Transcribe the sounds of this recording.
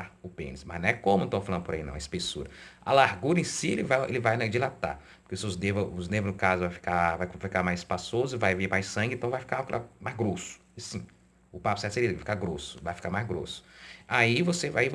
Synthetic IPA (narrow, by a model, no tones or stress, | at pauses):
aʊpḛ̃nɪsmɐzñɛkõmʊẽt̪ɐ̃falɐ̃d̪ʊpoɾainɐ̰̃w̃ɐispesuɾɐa̰laɾɡuɾɐẽsiḛlɪvajḛlɪvajnd͡ʒilat̪a̰ɾpʊ̥ɾkeseʊznevɐʊznevʊznʊkazʊvajfi̥kavajkfikamajzɪspasozʊɪvajveɾmajsɐ̃ɡɪ̃t̪ɐ̃w̃vajfi̥kaklamajzɡɾosʊ̥ | ɪsĩ | ʊpapʊ̥sɛt̪selivajfi̥kaɾɡɾosʊ̥elvajfi̥kaɾmajzɡɾo̰sʊ̥aivosevai